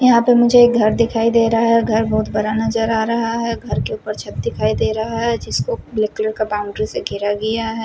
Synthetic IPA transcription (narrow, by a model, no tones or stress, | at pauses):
jɐɦãpemʊd͡ʒʱeːk̚ɡʱɐɾd̪ɪkʰaːid̪eːɾɐɦaɦɛɡʱɐɾbɐɦʊt̪bɐɾanɐzəɾaːɾɐɦaɦɛɡʱɐɾkeuːpəɾt͡ʃʰɐt̪̚d̪ɪkʰaːid̪eːɾɐɦaɦɛd͡ʒɪskoblɪkləɾkabaːʊ̃ɳɖɾiseɡʱɪɾaɡɐjaɦɛː